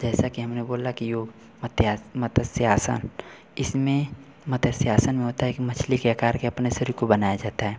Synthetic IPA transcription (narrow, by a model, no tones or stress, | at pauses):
d͡ʒɛːsakiɦɐmneboːlakijoːɡ | mət̪jamɐt̪ʰəsjaːsə̰n | ɪsmẽ | mɐt̪əsjaːsənmẽɦoːt̪aɦɛkimɐt͡ʃʰlikeakaːɾkeɐpnesəɾikobɐnaːjad͡ʒaːt̪aɦɛː